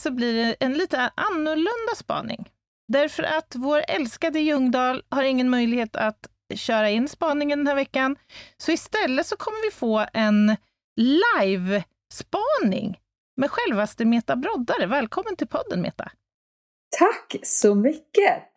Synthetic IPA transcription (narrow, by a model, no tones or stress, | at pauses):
sɔbliːɖɛʔɛnliːt̪əʔanːʊɭɵnd̪aspɑ̰ːnɪ̰ŋ | d̪æɾfœɾʔat̪voːɾɛlskad̪əjɵŋd̪ɑːlhaɾɪŋːənmœjlɪɡheːt̪ʰat̪ | ɕœːɾaɪnːspɑːnɪŋənd̪ɛnæːɾvɛkːansɔɪst̪ɛlːət̪sɔkʰɔmːəɾvɪfoːɛn | lajv | spɑːnɪ̰ŋ | mɛd̪ɧɛlvast̪əmeːt̪abɾɔd̪aɾəvɛːlkʰɔmːənt̪ʰɪlpʰɔd̪ːənmḛːt̪a̰ | t̪ʰakːsɔmʏkːə